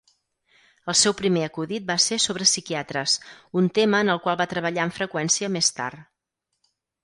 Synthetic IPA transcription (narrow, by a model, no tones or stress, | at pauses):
əlˠsɛwpɾimeəkuðit̪̚basesoβɾəsikiat̪ɾəsunt̪eməːnəlˠkwalˠβat̪ɾəβ̞əʎaəɱfɾəkwɛnsiəmest̪a̰ɾ